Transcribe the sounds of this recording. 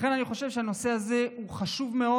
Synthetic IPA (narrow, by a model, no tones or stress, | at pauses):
χe̞naniχo̞ʃevʃeano̞se̞aze̞uχaʃuvme̞o̞